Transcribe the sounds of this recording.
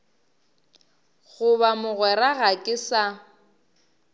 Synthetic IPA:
ɣʊβamʊɣwɛɾaɣakʼɪsa

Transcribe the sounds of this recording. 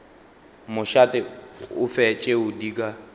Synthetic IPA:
mʊʃatʼɪʊfɛt͡ʃʼeʊdikʼa

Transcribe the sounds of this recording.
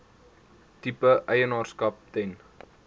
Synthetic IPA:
tipəʔœjənɑːrskɐp̚tɛn

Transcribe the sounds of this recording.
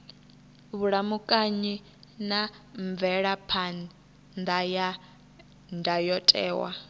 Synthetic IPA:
βuɺamukʼaɲi | naɱb̪vɛɺapʰan | nd̪aja | ndʱajɔtʼɛ̰ːwa̰

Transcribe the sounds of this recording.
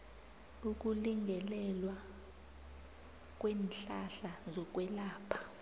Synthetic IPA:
uk̬ʼuliŋɡʱɛlɛlwa | k̬ʼweːnɬaɬazɔk̬ʼwɛlaːpʰḁ

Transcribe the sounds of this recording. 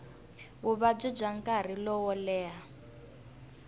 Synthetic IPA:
ɣuβab͡ʐid͡ʒaŋkʼaɾ̤ilɔwɔlɛːɦa

